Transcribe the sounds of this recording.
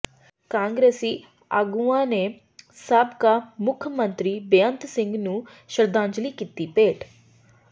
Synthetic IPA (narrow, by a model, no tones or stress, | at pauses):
kãːŋɡɾeːsi | a̰ɡuʋaːne | saːbkamukʰːjɐmɐnt̪ɾibejant̪siŋɡnu | ʃɾɐd̪ʱãːɲd͡ʒɐlikit̪ːipeːʈ